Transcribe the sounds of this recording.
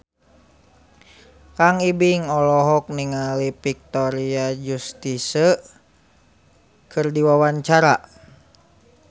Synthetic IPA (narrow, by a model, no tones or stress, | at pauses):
kaŋibiŋɔlɔɦɔk̚niŋalipik̚t̪ɔɾiad͡ʒust̪isə | kʰɨrdiwawaɲt͡ʃaɾa